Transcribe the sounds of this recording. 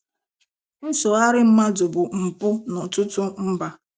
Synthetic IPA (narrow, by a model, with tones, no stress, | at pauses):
n̩˦so˨a˦ɾɪ˦m̩˦ma˦dʊ˨bʊ˨m̩˨pʊ˦nʊ˨tʊ˦tʊ˦m̩˦ba˨